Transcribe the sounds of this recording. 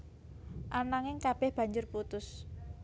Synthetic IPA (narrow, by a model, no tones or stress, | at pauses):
ʔanaŋɪŋkab̥ɛhb̥ä̤ɲd͡ʒʊrput̪ʊs